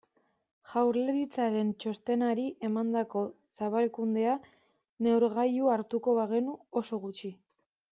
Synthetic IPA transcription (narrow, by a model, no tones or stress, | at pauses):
ʝawɾleɾit͡saɾe̞nt͡ʃo̞st̪e̞naɾiʔe̞mand̪ako̞ | saβalkund̪e̞a | ne̞wɾɣajuaɾt̪uko̞βaɣe̞nuo̞so̞ɣut͡ʃi